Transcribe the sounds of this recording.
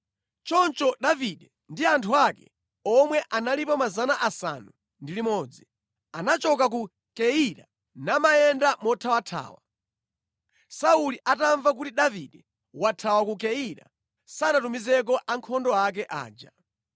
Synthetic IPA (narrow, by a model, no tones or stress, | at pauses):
t͡ʃɔnt͡ʃɔɗaviɗɛ | ndiantʰuakɛ̰ | ɔmwɛʔanalipɔmazanaʔasa̰nu | ndilimɔːd͡zi | anat͡ʃɔkak̬u | kɛiɾa | namajɛndamɔtʰawatʰa̰ːwa̰ | sauliʔataɱvak̬utiɗaviɗɛ | watʰawakukɛiɾa̰ | sanatumizɛk̬ɔʔaŋkʰɔndɔak̬ɛʔa̰ːd͡ʒa